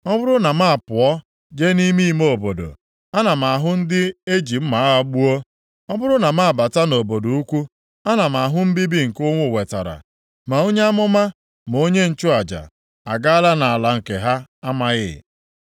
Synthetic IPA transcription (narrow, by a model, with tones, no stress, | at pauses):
ɔ˦bʊ˦ɾʊ˦na˨ma˦a˨pʊ˨ɔ˦ | d͡ʒe˦ni˦mi˦mo˦˨bo˨do̰˨ | a˦na˨m̩˨a˨ɦʊ˦n̩˦dɪ˦e˦d͡ʒi˨m̩˦ma˨a˦ɔ˦k͡pu˦o˦ | ɔ˦bʊ˦ɾʊ˦na˨ma˦a˨ba˨ta˦no˨bo˨do˨u˦kʷu˦ | a˦na˨m˨a˨ɦʊ˦m̩˦bi˦bi˦ŋ̩˨kʊ˦ŋʷʊ˦˨we˨ta̰˨ɾa̰˨ | ma˨o˦ɲe˦a˦mʊ˦ma˦ | m˨o˦ɲe˦n̩˨t͡ʃʊ˦a˨d͡ʒa̰˨ | a˨ɡa˦a˦la˦na˨a˨la˨ŋ̩˨ke˨ɦa˦a˦ma˦ɣɪ̰˦˨